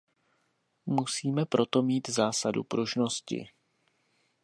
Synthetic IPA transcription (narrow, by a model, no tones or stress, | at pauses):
musiːmɛpɾʔo̞t̪o̞miːt̪zaːsadṵpɾuʒnoscɪ̰